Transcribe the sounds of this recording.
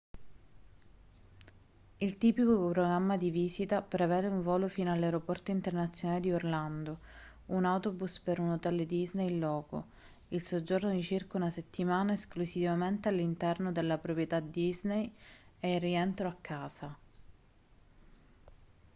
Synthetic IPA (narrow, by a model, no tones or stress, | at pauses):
ilt̪iːpikikopɾoɡɾamːad̪iviːsit̪apɾevɛːd̪euɱvɔːlofiːnoalːawɾopɔrt̪oint̪ernat̪sːjonaːled̪iorland̪o | unawt̪obuspeɾunot̪ɛld̪iznejlɔːko̰ | ilsod͡ʒornod̪it͡ʃirkaunaset̪ːimaːnaesklusivament̪ealːint̪ɛrnod̪elːapɾopɾjet̪ad̪iznejeirːiɛnt̪ɾoakʰːaːsa